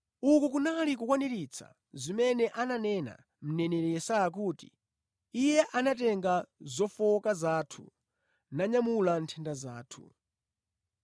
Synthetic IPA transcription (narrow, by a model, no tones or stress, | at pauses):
ukuk̬unalik̬ukwanɛɾit͡sʰa̰ | zimɛnɛʔananɛna̰ | m̩nɛnɛɾɛjɛsajak̬uːti̥̰ | ijɛʔanatɛŋɡazɔfɔkazatʰṵ | naɲamulantʰɛndazaːtʰṵ